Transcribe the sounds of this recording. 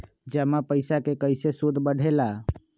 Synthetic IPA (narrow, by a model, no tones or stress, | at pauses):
d͡ʒəmapəɪsakekəɪsesud̪ʱbəɽ̤ʱela